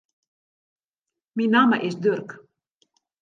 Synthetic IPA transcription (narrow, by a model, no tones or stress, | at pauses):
minɑmə̰ʔɪsd̪ørk